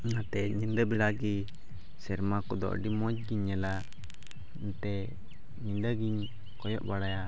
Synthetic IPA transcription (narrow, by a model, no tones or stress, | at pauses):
nat̪ɛɲind̪əbɛɽaɡi | sɛɾmakɔd̪ɔ̰ʔɖimɔd͡ʒ̚ɡiɲːɛla | nt̪ɛ | ɲind̪əɡiɲ | kɔjɔʔbaɽaja